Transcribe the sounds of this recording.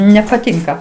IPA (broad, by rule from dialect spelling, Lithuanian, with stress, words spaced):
nʲɛpɐˈtʲɪŋkɐ